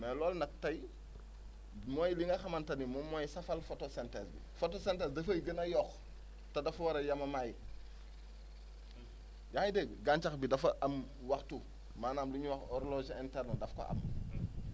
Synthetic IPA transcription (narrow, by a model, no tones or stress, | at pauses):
mɛlɔːlnɐk̚tɐj | mɔːjliŋɡɐxɐmɐntɐnimɔmːɔjsɐfɐlfotosɛntɛsbḭfɔtosɛntɛːsdɐfɐjɡənɐjɔx | tɐdɐfwɐɾɐjɐmɐmaːj | jaxidəɡɡaɲt͡ʃɐxbidɐfɐʔɐm | wɐxtu | maːnaːmluɲuwɐxɔɾlɔʒɛntɛɾnodɐfkɔ̰ʔɐ̰m